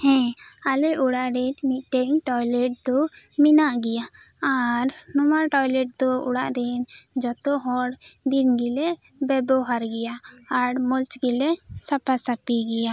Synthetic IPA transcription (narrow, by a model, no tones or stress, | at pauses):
hɛ̃alɛʔuɽaʔɾɛnmiʈɛŋʈɔjlɛʈ̚d̪ɔ | minaʔɡɛja | aɾnɔmaɾʈɔjlɛʈ̚d̪ɔṵɽaʔɾɛnd͡ʒɔt̪ɔɦɔɽ | d̪inɡilɛ | bɛbɔɦaɾɡɛja | aɽmɔlt͡ʃɡilɛsapasapiɡɛja